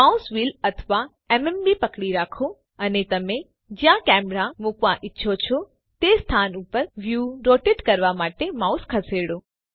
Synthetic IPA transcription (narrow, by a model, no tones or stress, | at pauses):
mausʋilət̪ʰʋa | emembipəkɽiɾakʰo | ənet̪əmẽ | d͡ʒjãkɛmɾamukʋaʔɪtːʃʰot͡ʃʰo | t̪est̪ʰanupəɾʋjuɾoʈeʈkəɾʋamaʈemauskʰəseɽõ